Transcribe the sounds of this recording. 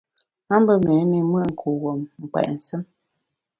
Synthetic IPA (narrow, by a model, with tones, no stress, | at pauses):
a˦m˦bə˦mɛ˨˦ni˨mə˦ʔŋ̩˨kʰo˨wɔ˨mŋ̩˨k͡pɛ̰˨ʔn̩˨sə˦m